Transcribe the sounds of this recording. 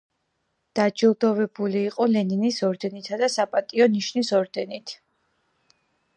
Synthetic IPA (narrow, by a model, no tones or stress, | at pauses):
d̪̥ad͡ʒilˠd̪ɔvɛbuliːqʼɔlɛninisɔɾd̪ɛnit̪ʰad̪asapʼat̪ʼiɔniʃnisɔɾd̪ɛnit̪ʰ